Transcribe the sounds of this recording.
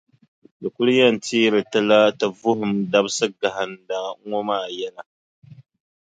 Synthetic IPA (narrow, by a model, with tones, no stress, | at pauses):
da˨ku˦lja˦˨nti˦ɾi˨ta˦la˦ta˨vu˦ɦʊ˨mda˦bsə˦ɡa˨ɦa˨nda˨˦ŋo˦ma˦˨ja˦na˨